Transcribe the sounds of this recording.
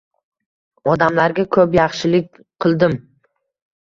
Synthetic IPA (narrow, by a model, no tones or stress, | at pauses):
ɒd̪amlaɾɡʲakʰɵpjɑχʃɪlɪk̚ʲ | qʰɨlˠd̪ɪm